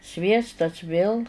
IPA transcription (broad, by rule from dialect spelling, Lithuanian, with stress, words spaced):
ˈsʲʋʲiɛstɐs ʋʲeːlˠ